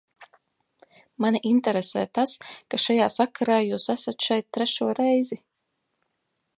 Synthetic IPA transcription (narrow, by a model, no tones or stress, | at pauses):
manʲiʔint̪ɛɾesɛ̰ːt̪askaʃajaːsakʰaɾaːjuːsæsat̪ʃɛjt̪̚t̪ːɾɛʃuɔɾɛjzi